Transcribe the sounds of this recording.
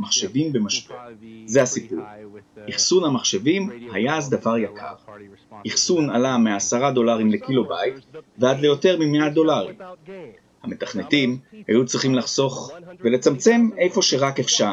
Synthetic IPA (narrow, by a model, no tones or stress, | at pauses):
maχʃevimbemaʃbezehasipṵʁiχsunhamaχʃe̞vimhajaːzd̪avaʁjakʰa̰ʁiχsunalameasaʁad̪o̞laʁimlekilo̞bajit̪vead̪le̞jo̞te̞ʁmimead̪o̞laʁḭm | hame̞taχnetimhajut͡sʁiχimlaχso̞χve̞let͡samt͡se̞me̞jfo̞ʃe̞ʁakefʃa